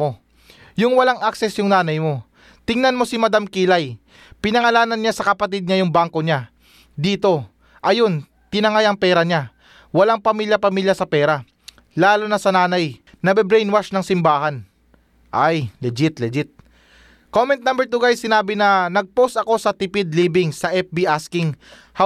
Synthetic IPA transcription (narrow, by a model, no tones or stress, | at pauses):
o̞ | jʊŋwɐlaŋʔaksɛsjʊŋnaːnɐjmo̞ | t̪ɪŋnɐnmo̞sɪmɐd̪amkilaj | pɪnɐŋɐlaːnɐnɲasɐkɐpɐt̪id̪̚ɲajʊŋbaŋko̞ɲa | d̪iːt̪o̞ | ʔɐjo̞n | t̪ɪnɐŋajɐŋpɛːɾɐɲa | wɐlaŋpɐmiljɐpɐmiljɐsɐpɛːɾa | laːlonɐsɐnaːnɐj | nɐbɛbɾɛjnwaʃnɐŋsɪmbaːhan | ʔajlɛd͡ʒɪt̪lɛd͡ʒɪt̪̚ | komɛnt̪̚nambɛɹt̪uɡajsɪnaːbɪnɐnɐɡ̚po̞sɐko̞sɐt̪ɪpɪd̪̚liːbɪŋsɐʔɛp̚biʔaskɪŋ | hɐ